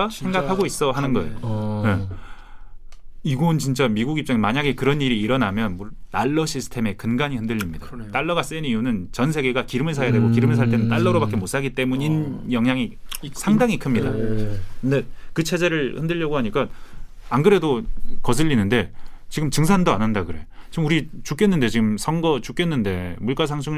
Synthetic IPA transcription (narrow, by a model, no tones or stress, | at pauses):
aeŋɡakʰaɡois͈ʌɦanɯnɡʌejoje | iɡont͡ɕint͡ɕ͈amiɡuɡip̚t͡ɕ͈ʌŋenmaɲaɡe̞kɯɾʌniɾiːɾʌnamjʌnmonaɭːʌɕʰisʰɯ̥tʰe̞me̞kɯnɡaɲihɯndɯʎːimɲidat͈aɭːʌɡas͈enijunɯnt͡ɕʌnsʰe̞ɡe̞ɡakiɾɯmɯɭsʰajadwe̞ɡokiɾɯmɯɭs̬ʰaɭt͈e̞nɯnt͈aɭːʌɾobak͈e̞mos͈aɡit͈e̞muɲinjʌŋɦjaŋisʰaŋdaŋikʰɯmɲida̰kɯnde̞kɯt͡ɕʰe̞d͡ʑe̞ɾɯɭhɯndɯʎːʌɡohaɲik͈a | anɡɯɾe̞dokʌs̬ʰɯʎːinɯnde̞t͡ɕiɡɯmt͡ɕɯŋs̬ʰandoanɦandakɯɾe̞jot͡ɕiɯmuɾit͡ɕuk͈e̞nːɯnde̞t͡ɕiɡɯmsʰʌŋɡʌt͡ɕuk͈e̞nːɯnde̞muɭk͈asʰaŋsʰuŋɯ